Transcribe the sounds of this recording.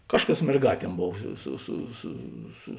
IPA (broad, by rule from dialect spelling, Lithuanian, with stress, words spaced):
ˈkɑːʃˌkɐs mʲɛrˈɡɑːˌtʲiɛm ˈboːw ˈsʊ sʊ sʊ sʊ